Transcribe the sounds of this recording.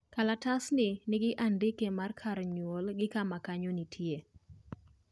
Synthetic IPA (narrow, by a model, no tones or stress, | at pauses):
kalatasnɪnɪɡɪʔandɪkemarkʰaɾɲwolɡɪkamakaɲonitʰje